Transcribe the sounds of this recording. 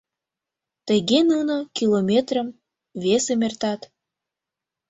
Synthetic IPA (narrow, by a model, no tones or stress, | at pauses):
t̪əɣenunəkilomʲet̪rəm | vesemert̪ɑt̪